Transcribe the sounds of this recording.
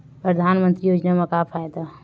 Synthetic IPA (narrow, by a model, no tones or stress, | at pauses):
pɾəd̪ʱaːnmə̃nt̪ɾijoːd͡ʒnamakaːpʰajd̪a